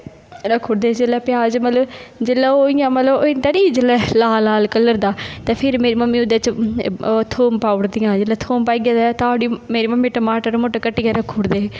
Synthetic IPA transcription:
ɾəkʰːuːɾd̪eːd͡ʒeːlɛːpɪjaːd͡ʒmət̪ləbd͡ʒelːɛːoːijãːmət̪ləboɪnt̪aːniːd͡ʒelɛːlaːlaːlkəlːəɾd̪aːt̪ẽːpʰɪɾmeːɾiːməmːiːʊd̪et͡ʃ | t̪ʰoːmpaːʊɽd̪ɪjãːd͡ʒeːlɛːt̪ʰoːmpaːiɡjaːd̪ɛt̪aːɽimeːɾiːməmːĩːʈəmaːʈəɾmoːʈakəʈːiːɡɛːɾəkʰːuɽd̪eː

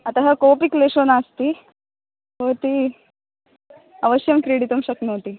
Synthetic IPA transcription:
ɐt̪aɦɐkopikleʂonast̪i | ɦoɾt̪i | ɐʋəɕjɐmkɾeɽit̪umɕɐknoʋt̪i

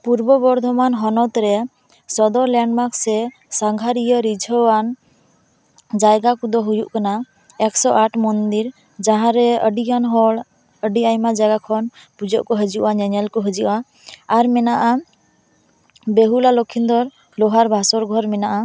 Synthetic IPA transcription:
puɾbɔbɔɾd̪ʱɔmanɦɔnɔt̪ɾɛ | sɔd̪ɔɾlɛɳɖmaksɛ | saŋɡʱaɾijɔɾid͡ʒʱɔwan | d͡ʒajɡakud̪ɔɦujuʔkana | ɛksɔʔaʈʰmɔnd̪iɾ | d͡ʒaɦãɾɛəɖiɡanɦɔɭ | əɖiajmad͡ʒaɡakʰɔn | pud͡ʒɔʔkɔɦəd͡ʒiʔwaɲɛɲɛlkɔɦəd͡ʒiʔaː | ɾmɛnaʔa | beɦulalokʰːind̪ɔɾ | lɔɦaɾbʱasɔɾɡʱɔɾmɛnaʔa

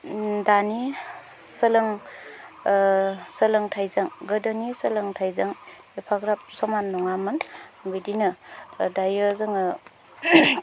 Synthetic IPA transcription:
dani | səlɯŋ | səlɯŋtʰajzaŋɡɯdanisɯlɯŋtʰajzaŋ | epʰaɡɾap̚sɔmanːɔŋamanbidinɯdajɯzɯŋɯ

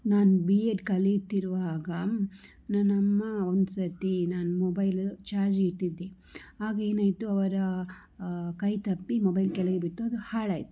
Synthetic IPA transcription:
naːnubieʈkɐlit̪ːiɾuʋaːɡɐ | nɐnːɐmːɐond̪usɐt̪inaːnumobɐjlt͡ʃaːɾd͡ʒiʈːid̪ːe | aːɡɐeːnaːjt̪uɐʋɐɾɐ | kɐjt̪ɐpːimobɐjlkɛlɐɡebiʈːuɐd̪uhaːɭaːjt̪u̥

